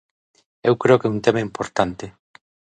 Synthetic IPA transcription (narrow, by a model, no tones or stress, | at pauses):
ewkɾeokeunt̪emaimpoɾt̪ant̪e